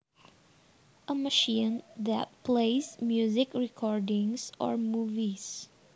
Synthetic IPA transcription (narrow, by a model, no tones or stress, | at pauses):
ʔəməʃĩnðæ̰t̚pʰleɪsmjuzɪkɹɛkʰɔɹdɪ̃ŋsɔ̰ɹmuvis